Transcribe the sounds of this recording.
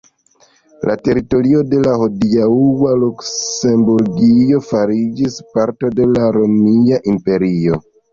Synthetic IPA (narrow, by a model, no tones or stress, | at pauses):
la̰te̞ɾito̞ɾio̞de̞lahodiauwaluksse̞mbuɾɡio̞faɾid͡ʒispaɾto̞de̞laɾo̞miaʔimpe̞ɾio̞